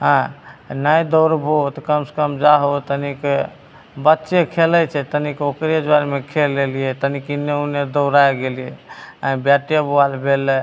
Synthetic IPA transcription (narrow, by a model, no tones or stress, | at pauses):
ɦãnajd̪əʊɾbʱot̪kəmse̥kəmd͡ʒaɦot̪ənike | bətːʃekʰelɛt͡ʃʰɛt̪ənikokɾed͡ʒwaɾmekʰelːelijɛt̪ənikinːeuned̪əʊɾajɡelijɛə̃bjaʈijbalbʱele